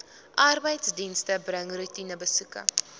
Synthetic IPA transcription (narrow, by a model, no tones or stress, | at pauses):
ʔɐrbəjtsdinstəbrəŋrutinəbəsukə̰